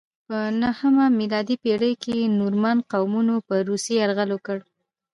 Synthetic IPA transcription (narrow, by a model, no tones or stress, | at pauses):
pənahəmamilɑd̪ipeɽəjkenuɾmanqawmunopəɾuseaɾɣalokəɽ